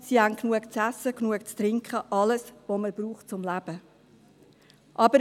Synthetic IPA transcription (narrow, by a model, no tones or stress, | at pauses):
sihænknuəkt͡sæsːəknuəkt͡st̪ɾɪŋkχəʔɑləsʋoməb̥ɾuːχtt͡sʊmlæb̥ə | ʔɑbəɾ